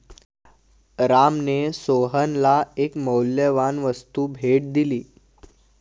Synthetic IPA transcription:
ɾamnesoɦənlaekməwljəʋanʋəst̪uːbʱeʈ̚d̪iliː

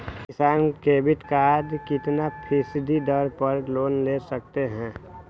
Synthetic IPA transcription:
ɪsaːnkeːbɪt̪kad̪kɪt̪napʰɪsɪd̪ʱid̪əɾpəɾloːnlesək̚t̪eɦɛ̃ː

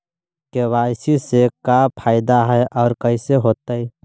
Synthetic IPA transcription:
kewaːjsisekapʰaːɪd̪aɦɛʔɔːɾkəiseɦoːt̪ai

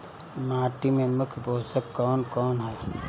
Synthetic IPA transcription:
maːʈimẽməkʰboːsəkːɔːnkɔːnɦɛː

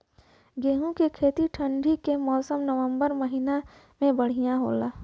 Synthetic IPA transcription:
ɡeːɦũkekʰeːt̪iʈʰə̃ɳɖʱikemɔːsəmnəʋə̃mbəɾməɦina | mẽbɐɽ̤ijãɦo̰ːlaː

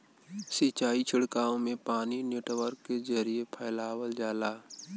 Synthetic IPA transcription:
sɪt͡ʃaːit͡ʃʰɪɽkaːõmẽpaːnineːʈʋəɾkːezəɾijepʰəɪlaːwəld͡ʒaːlaː

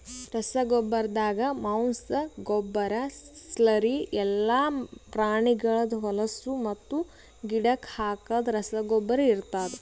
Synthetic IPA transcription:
ɾɐsɐɡɔbːɐɾɐd̪aːɡɐmɐwnsɐɡɔbːɐɾɐslɐɾiɛlːaːpɾaːɳiɡɐɭɐd̪ɐɦɔlɐsumɐt̪ːu | ɡiɖɐkhaːkaːd̪ɐɾɐsɐɡɔbːɐɾɐiɾt̪aːd̪e

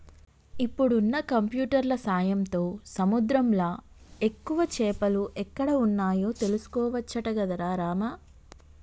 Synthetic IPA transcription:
ipːuɽunːɐkɐmpjuːʈɐɾlɐsaːjɐmt̪o̞ːsɐmud̪ɾɐmlaː | e̞kːuʋɐt͡ʃɛːpɐluʔɛkːɐɽɐunːaːjo̞ːt̪e̞lusu̥kɔːʋɐt͡ʃːɐʈɐɡɐd̪ɐɾaːɾaːmɐ

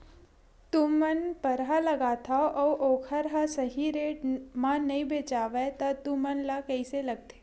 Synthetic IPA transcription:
t̪umɐnpɐɾɦalɐɡaːt̪ʰaʔɔːʔoːkʰəɾɦasɐɦiɾeːʈmãnɐĩbeːt͡ʃaːʋet̪ɐt̪umɐnlakɐiselɐɡ̚t̪ʰe̥ː

